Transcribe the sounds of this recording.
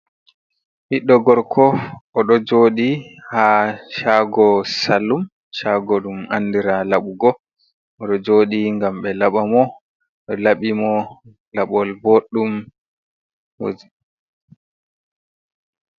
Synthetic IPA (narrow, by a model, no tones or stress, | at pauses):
ʔiɗːɔɡɔɾkʰɔʔɔɗɔd͡ʒoːɗihaʃaːɡɔsalːum | ʃaɡɔɗuma̰nːdiɾalaɓuɡɔ | ɔɗɔd͡ʒoːɗiŋɡamɓɛlaɓamɔ | ɛlaɓimɔ | laɓɔlboɗːum | ho̰d͡ʒi